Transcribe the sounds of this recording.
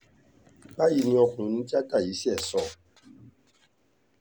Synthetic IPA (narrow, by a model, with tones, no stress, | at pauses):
ba˦ji˧nĩ˧˦ɔ˧kũ˨˦nĩ˧˦ti˦a˦ta˦˨ji˨˦si˦ɛ˦˨sɔ˦˨